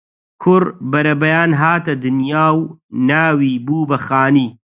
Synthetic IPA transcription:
kʰʊɾbɐɾɐbɐjaːnɦaːt̪ɐd̪ɨnjaːwnaːwiːbuːbɐxaːniː

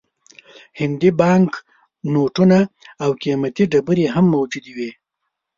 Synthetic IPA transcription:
hɪnd̪ibɑŋk | noʈunaawkimat̪iɖabəɾeɦamːawd͡ʒud̪iwi

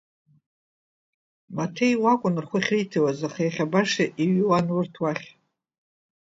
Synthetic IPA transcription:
matʰejwakʷʼʊnrχʷʊχʲritʰawazaχajaχʲabaʂaʔiɥwanwʊrtʰwaχʲ

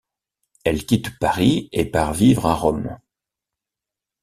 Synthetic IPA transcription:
ɛlkʲit̪paʁiepaʁvivʁɛ̃ʁɔm

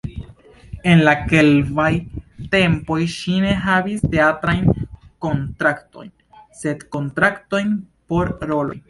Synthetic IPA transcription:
e̞nlake̞lvajte̞mpo̞jʃine̞ɦaviste̞atɾajnko̞ntɾakto̞̰jn | se̞dko̞ntɾakto̞jn | po̞ɾɾo̞lo̞̰j

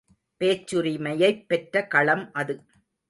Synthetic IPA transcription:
peːt͡ʃːɯɾimɐjɐɪpːɛʈɾɐkɐɭɐmʔɐðɯ

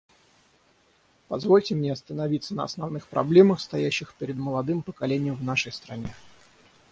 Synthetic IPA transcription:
pɐzvo̞lʲtʲɪmnʲeɐst̪ənɐvʲit̪sːənə̰ɐ̰snɐvnɨxpɾɐ̰blʲe̞məxst̪ɐjæɕːɪxpʲɪɾʲɪd̪məlˠɐd̪ɨmpəkɐlʲenʲɪjəmvnaʂəjst̪ɾɐnʲe̞

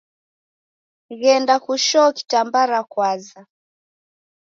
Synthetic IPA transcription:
ɣɛndakuʃɔki̥tambaɾakwaza

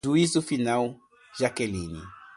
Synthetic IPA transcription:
uizufinaw | ʒakɛlĩnḭ

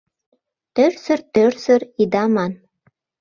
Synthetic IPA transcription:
t̪ørsɘ̆rt̪ørsɘ̆ɾid̪ɑmɑn

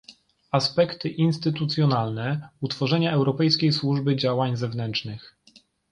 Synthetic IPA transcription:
aspɛkt̪ɘʔinst̪ɘt̪ut̪sʲjɔnalnɛut̪fɔʐɛɲaɛwɾɔpɛjskʲejswuʐbɘd͡ʑawaɲzɛvnɛntt͡ʂnɘx

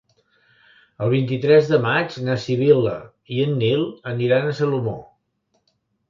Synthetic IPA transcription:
əlˠβ̞int̪it̪ɾɛzðəmad͡ʒnəsiβ̞ilə̰ | iənːilˠəniɾanəsəlumo

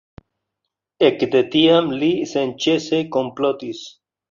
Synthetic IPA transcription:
ekd̪et̪iamlisent͡ʃesekomplot̪is

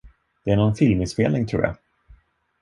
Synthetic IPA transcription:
d̪̥ɛæɳɔnfɪlmɪnspeːlnɪŋt̪ʰɾṵːɾja̰

